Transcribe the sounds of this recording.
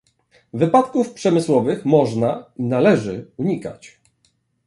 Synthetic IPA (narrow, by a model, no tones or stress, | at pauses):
vɘpat̪kufpʂɛmɘswɔvɘxmɔʐnainalɛʐɘuɲika̰t͡ɕ